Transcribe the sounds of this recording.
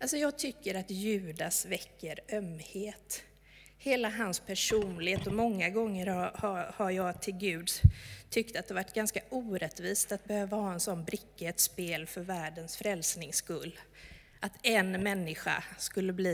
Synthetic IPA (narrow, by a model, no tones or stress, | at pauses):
ʔalsɔjɑːɡ̚t̪ʰʏkːəɾat̪jʉ̟ːd̪asvɛkːəɾœmheːt̪ | heːlaɦanspʰæʂuːnlɪheːt̪ɔmɔŋːaɡɔŋːəɾhahahaɾjɑːɡt̪ʰɪlɡʉ̟ːd̪t̪ʰʏkt̪at̪d̪ɛvaʈːɡanskaʔuːɾɛt̪viːst̪at̪̚bɛhøːvahɑːɛnsɔnːbɾɪkːɛt̪speːlfœɾvæːɖənsfɾɛlsnɪŋskɵlː | ʔat̪ɛnmɛnːɪɧa̰skɵlːəbliː